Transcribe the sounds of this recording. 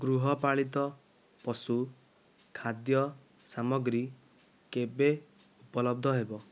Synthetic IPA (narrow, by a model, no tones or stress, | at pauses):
ɡɾuɦɔpaɭit̪ɔ | pɔsu | kʰad̪jɔ | samɔɡɾi | kebe | upɔlɔb̚d̪ʱɔɦebɔ